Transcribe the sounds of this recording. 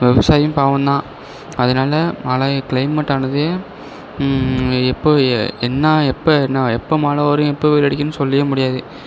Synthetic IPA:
ʋɛʋɐsaːjɐjʊ̃mpaːʋɐ̃nd̪ãː | ɐðɐnaːlɐmɐːlɐkɭɐɪmɐʈːaːnɐðɯeː | ɛpːoɛnːaːɛpːɐɛnːɐɛpːɐmaːlɐʋɾjʊ̃ɛpːɐʋeːlɐɽɪkːɐnːɯsɔlːɪjɐmʊɽɪjaːðɯ

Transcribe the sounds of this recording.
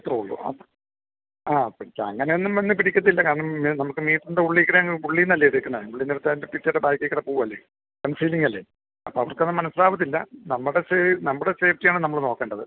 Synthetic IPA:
t̪rouɭːṵɐ̰ | aːpiɽikʲːɐɐ̰ŋːɐne̞jonːumʋenːɨpiɽikʲːuɐðilːɐkaːɾɐɳɐminɐmukːɨmiːʈːundeuɭːikʲːɐɽɐɐiuɭːinɐlːɐɽikːɐnːɐajuɭːiniɽut̪ːaːðindepitːɐɽebaːjikːɐekːɐɽɐpuːɐlːḛ | kɐnsiːliŋːɐlːe | ɐpːoːɐʋɐrkːenːɨmɐnɐsːɨlaːbɐt̪̬ːilːɐ̰nɐmːuɽesenɐmːɽeseːftijaːɳɨnɐmːɐɭno̞ːkːeːɳɖɐðɨ̰

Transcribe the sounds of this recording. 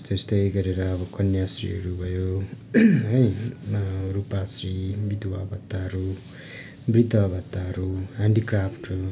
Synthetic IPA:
t̪est̪ʌjɡʌɾeɾʌːbʌkʌnjasrḭɦʌ̰ɾubʱʌjo | ɦʌj | ɾupasribid̪uwabʌt̪ːaɦʌɾu | brid̪ʌbʌt̪ːaɦʌɾuaɳɖikrapʰʈ

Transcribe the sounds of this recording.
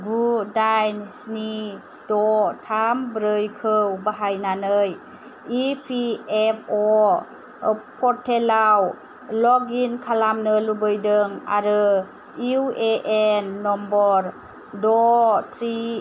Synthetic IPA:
ɡudajnsni | dɔtʰambɾɯjkʰɯwbaɦajnanɯj | ipʰiepʰɔ | pʰɔɾtʰːelaw | lɔɡinkʰalamnɯlubɯjdɯŋa̰ɾɯ | iueʔenːɔmbɔɾ | dɔtʰɾi

